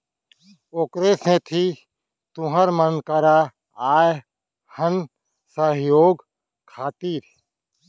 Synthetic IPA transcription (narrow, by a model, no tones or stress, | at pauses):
oːkɾesẽt̪ʰi | t̪ʊɦəɾmənkəɾa | aːj | hən | səɦjoːɡ | kʰaːt̪iːɾ